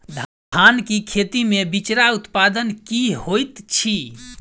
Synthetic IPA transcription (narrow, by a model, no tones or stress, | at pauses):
dʱ | ankikʰet̪imebit͡ʃɾaut̪pad̪ənkihojt̪t͡ʃʰi